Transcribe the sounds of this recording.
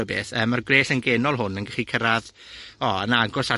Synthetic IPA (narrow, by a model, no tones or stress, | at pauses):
əbeːθəːmːarɡreːsənɡɛnɔlˠɦʊnənɡəχikʰəɾað | ɔənaɡɔsa